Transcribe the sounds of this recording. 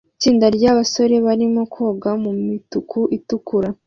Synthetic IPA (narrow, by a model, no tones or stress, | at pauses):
it͡ʃiːndaɾɟaːβaso̞ɾe̞βaɾimo̞kʰo̞ːɡamumitukʰuʔitukuɾa